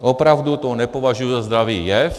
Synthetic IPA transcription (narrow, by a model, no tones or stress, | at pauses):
ʔopɾawd̪ut̪onɛpovaʒujuzazd̪ɾaviːjɛf